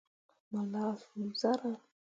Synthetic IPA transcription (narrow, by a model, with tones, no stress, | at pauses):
ma˨lavu˨za˦ɾa˦